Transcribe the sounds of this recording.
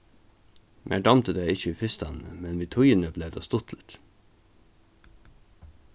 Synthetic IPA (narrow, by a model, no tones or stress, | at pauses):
mʔæ̰ːɖɑmt̪əd̪æɪɪçəiːfɪst̪ɑnn̩ə̰mɛnʋiːt̪ʰʊʏənəbleːd̪ɑ̰ːst̪ʊt̪ʰlət̪